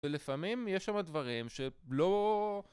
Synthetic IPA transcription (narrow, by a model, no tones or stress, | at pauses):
elefamimjeʃamad̪vaʁimʃe̞lo̞